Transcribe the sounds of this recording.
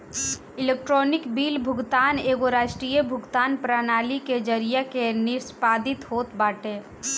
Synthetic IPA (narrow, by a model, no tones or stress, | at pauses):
ɪleːk̚ʈɾoːnɪkbiːlbʱʊɡt̪aːneːɡoɾaːʃʈɾiːjəbʱʊɡt̪aːnpɾaːnaːliked͡ʒəɾijakenɪɾspaːd̪ɪt̪ɦoːt̪baːʈeː